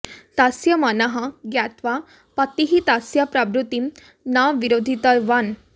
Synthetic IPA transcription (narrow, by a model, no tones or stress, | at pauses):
t̪asjɐmanɐɦɐ̃ɡjat̪ʋa | pɐt̪iɦit̪asjapɾabɾut̪im | naʋiɾod̪ʱit̪əjʋan